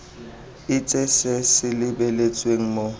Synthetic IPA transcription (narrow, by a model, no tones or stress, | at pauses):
ɪt͡sʼɛsɛsɪlɪbɛlet͡sʼweŋ̩mo